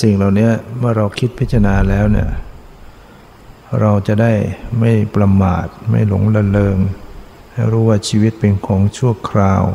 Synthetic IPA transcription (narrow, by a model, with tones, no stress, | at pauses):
si˨˩ŋlaː˨˩wni˦˥ɐmɯ˥˩ɐɾa˧wkʰi˦˥t̪̚pʰi˦˥t͡ɕʰa˧naː˧lɛː˦˥wnḭ˧˥˩ɐ | ɾa˧wt͡ɕa˨˩da˥˩jma˥˩jpɾa˧ma̰ː˨˩t̪̚ma̰˥˩jlo̰˨˩˦ŋla˧lɤː˧m | ha˥˩jɾuː˦˥waː˥˩t͡ɕʰiː˧wi˦˥t̪̚pe˧nkʰɔː˩˦ŋt͡ɕʰu˥˩əkʰɾaː˧w